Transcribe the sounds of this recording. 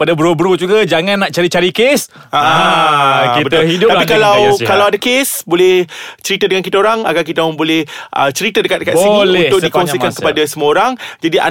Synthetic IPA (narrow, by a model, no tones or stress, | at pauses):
padabəɾobəɾud͡ʒuɡad͡ʒaŋãnːaʔt͡ʃaɾit͡ʃaɾikes | aʔa | ibət̪ʊidt̪apikalawkalawadakesbolɛht͡ʃəɾit̪adəŋankit̪aoɾaŋa̰ɡakit̪amaŋbolɛhʔə̰t͡ʃəɾit̪adəkat̪̚dkat̪sinunt̪ʊk̚dikɔŋsikankəpadasəmuaoɾaŋd͡ʒadiʔa̰